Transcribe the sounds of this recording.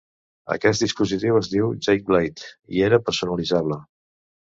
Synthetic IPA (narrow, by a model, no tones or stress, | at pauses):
ə̰kɛt̪̚d̪ispuzit̪iwəzdiwʒejk̚blejt̪ḭeɾəpəɾsunəlizaβlə